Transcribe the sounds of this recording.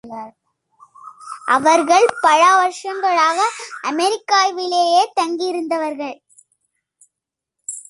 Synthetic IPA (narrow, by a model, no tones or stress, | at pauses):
ʔɐʋɐɾɣɐɭpɐɻaːʋɐɾʂɐŋɡɐɭaːɣɐʔɐmɛɾɪkːaːjʋɪlejeːt̪ɐŋɡijɪɾɯnd̪ɐʋɐɾɣɐɭ